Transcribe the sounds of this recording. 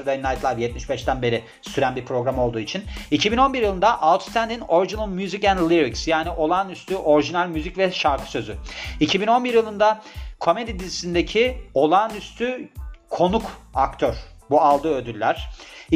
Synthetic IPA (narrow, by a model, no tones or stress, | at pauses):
d̪ainajt̪lˠajjɛt̪̚miʃbɛʃt̪ænbe̞ɾi | syɾænbiɾpʰɾo̞ɡɾamo̞lˠd̪uːit͡ʃʰinicʰibino̞nbiɾjɯlˠɯnd̪aʔalˠt̪st̪ʰænd̪ino̞ɾiʒinalˠmjuzicænd̪lʲˠiɾiksjaːniʔo̞lˠaːnyst̪ʰyʔo̞ɾiʒinalʲmyzicvɛʃaɾkʰɯ̥sø̞zy̰icʰibino̞nbiɾjɯlˠɯnd̪akʰo̞me̞d̪id̪izi̥sind̪ecʰio̞lˠanyst̪ʰykʰo̞nukakt̪ʰøɾ̥bualˠd̪ɯød̪ylʲːæɾ̝̥